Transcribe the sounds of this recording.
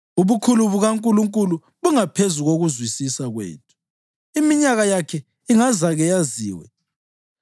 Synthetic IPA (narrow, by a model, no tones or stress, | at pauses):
uβukʰuluβuɣaŋkʼuluŋkʼulu | βuŋapʰezuɣoɣuzwisisaɣwḛːtʰu̥ | imiɲaɣajakʰɛ | iŋazaɣɛjazḭːwɛ̰